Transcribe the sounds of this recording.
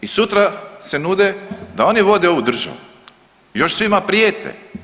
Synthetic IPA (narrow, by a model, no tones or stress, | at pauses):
isut̪ɾase̞nud̪ed̪ao̞niʋo̞d̪eo̞ʋud̪r̩ʒa̰ʋu | jo̞ʃsʋimapɾijeːt̪ḛ